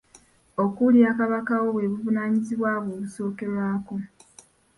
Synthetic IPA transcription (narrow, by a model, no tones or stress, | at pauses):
o̞kuljaːkaβakawo̞βwe̞βuvunaːɲiziβwaːβoːβuso̞ːke̞ɾwaːko̞